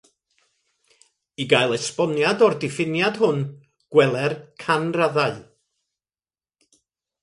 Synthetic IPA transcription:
iɡajlˠɛspɔnjadɔrdɪfɪnjad̥hʊn | ɡ̥wɛlˠɛrkʰanraðaɨ

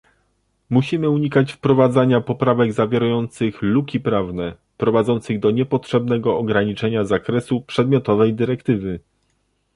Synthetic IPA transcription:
muɕimɘuɲikat͡ɕfpɾɔvad̪zaɲapɔpɾavɛɡzavʲjɛɾajɔnt̪sɘxlukʲipɾavnɛ | pɾɔvad̪zɔnt̪sɘɣd̪ɔɲɛpɔtʂɛbn̪ɛɡɔːɡɾaɲit͡ʂɛɲazakɾɛsupʂɛd̪̚mʲjɔt̪ɔvɛjd̪ɘɾɛkt̪ɘvɘ

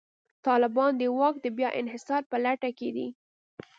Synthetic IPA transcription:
t̪ɑlɪbɑnd̪əwɑk̚d̪əbjɑʔɪ̰nɦɪsɑɾpəlaʈaked̪ḭ

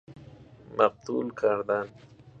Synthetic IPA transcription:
maq̚t̪ulkʰaɾd̪an

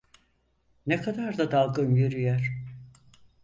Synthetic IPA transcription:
nekʰad̪aɾd̪ad̪alˠɡɯnjøɾyjæɾ̥

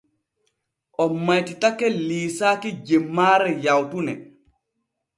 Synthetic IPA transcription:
ʔɔmːajtitakːɛliːsaːkid͡ʒemːaːɾɛjawtunɛ

